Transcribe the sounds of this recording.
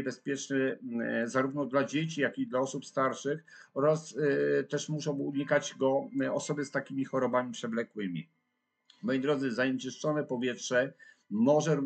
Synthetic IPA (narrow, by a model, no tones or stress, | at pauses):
bɛspʲjɛt͡ʂnɛzaɾuvnɔd̪lad͡ʑet͡ɕijakʲid̪laɔsupst̪aɾʂɘxɔɾast̪ɛʂmuʂɔ̃w̃uɲikad͡ʑɡɔɔsɔbɘst̪akʲimʲixɔɾɔbamʲipʂɛblɛkwɘmʲḭ | mɔjid̪ɾɔd̪zɘzaɲet͡ʂɘʂt͡ʂɔnɛpɔvʲjɛtʂɛ | mɔʐɛɾu